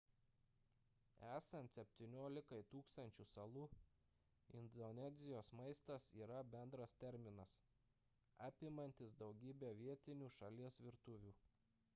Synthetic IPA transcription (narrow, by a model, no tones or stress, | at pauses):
æːsɐnt̪ʲsʲɛpʲt̪ʲinʲoːlʲɪkɐɪt̪uːkst̪ɐnʲt͡ʃʲuːsɐlˠuː | ɪ̰nd̪ɔnʲɛzʲɪjoːsmɐɪst̪ɐsiːɾɐbʲɛnd̪ɾɐst̪ʲɛɾʲmʲɪnɐs | ɑːpʲɪmɐnʲt̪ʲɪsd̪ɒʊɡʲiːbʲeːʋʲiɛt̪ʲɪnʲuːʃɐlʲiɛsʋʲɪɾt̪ʊʋʲuː